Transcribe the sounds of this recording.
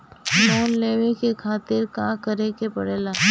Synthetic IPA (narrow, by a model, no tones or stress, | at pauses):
noːnleːʋekekʰaːt̪ɪɾkãːkəɾẽkepɐɽeːlaː